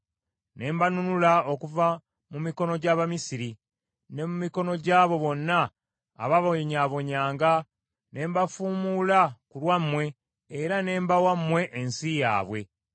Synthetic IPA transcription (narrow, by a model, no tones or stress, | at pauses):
ne̞ːmbanunulao̞kuva | mumiko̞no̞ɟaβamisiɾi | ne̞mumiko̞no̞ɟaːβo̞βo̞nːa̰ː | βaβoɲaβo̞ɲaːŋɡa | ne̞ːmbafuːmulakulwamːwe̞ː | ɾane̞ːmbawamːwe̞ʔːnsija̰ːβwe̞̰